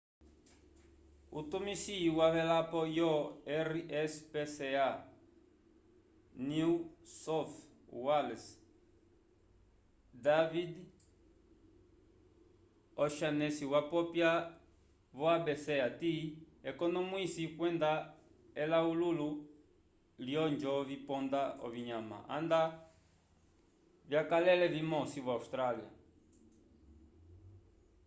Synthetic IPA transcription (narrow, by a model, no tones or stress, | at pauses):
ṵt̪umisiwaβɛlapɔjɔɛɾiɛspesea | niusɔf | walɛs | d̪avid̪ | ɔʃanɛsiwapɔpja | βɔabɛsɛati | ɛkɔnɔmwisikwɛnd̪a | ɛlaululu | ljɔnd͡ʒɔvipɔnd̪aɔ̰viɲama̰a̰nd̪a | vjakalɛlɛvimɔsiβaust̪ɾalia̰